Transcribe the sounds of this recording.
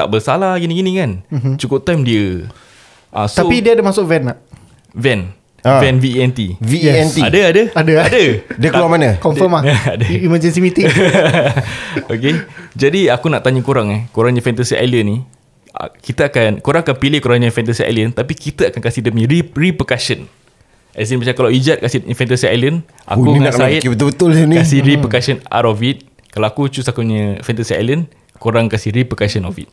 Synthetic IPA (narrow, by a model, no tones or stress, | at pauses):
t̪a̰ʔbərsalahɡinĩɡinĩkant͡ʃukʊp̚t̪ajmdiə | ʔã̰st̪aopidiadəmasʊʔvɛnaʔ | vɛn | vɛnviɛnt̪iviɛnt̪iadəadəadəadədəkluamanəkɔmfɔmaadəimad͡ʒɛnsimit̪i | oked͡ʒadiakunaʔt̪aɲəkoɾaŋɛhkoɾaŋɲãfɛnt̪asiʔa̰jliənːḭ̃ | kit̪aakankoɾaŋakanpilɪhkoɾaŋɲəfɛnt̪asiʔa̰jlənt̪apikit̪əakankasidəmɲə̃ɾiripəkaʃən | ʔas̬inmat͡ʃamkalawid͡ʒat̪̚kasɪɲəfɛnt̪asia̰jlən | ʔa̰kuŋasaɪt̪bət̪bət̪ʊlnkasihɾipəkaʃəna̰ɾovit̪̚ | kalawakut͡ʃusakuɲəfɛnt̪asia̰jlən | koɾaŋkasɪhɾipəkaʃənovḭt̪̚